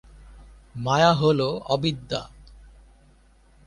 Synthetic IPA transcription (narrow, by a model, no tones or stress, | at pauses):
majaɦoloɔbid̪ːa̰